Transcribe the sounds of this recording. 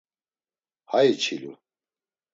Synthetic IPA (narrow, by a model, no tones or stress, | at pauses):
hajit͡ʃʰilṵ